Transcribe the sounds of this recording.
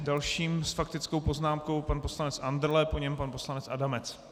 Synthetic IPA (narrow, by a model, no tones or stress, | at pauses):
dalʃiːmsfakt̪ɪt͡skowpo̞znaːmko̞wpanpo̞slanɛt͡sʔand̪ɾlɛpo̞ɲɛmpanpo̞slanɛt͡sʔadamɛt͡s